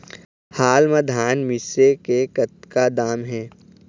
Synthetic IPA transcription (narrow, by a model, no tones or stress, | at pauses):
haːlmad̪ʱaːnmɪsekekət̪kad̪aːmɦɛː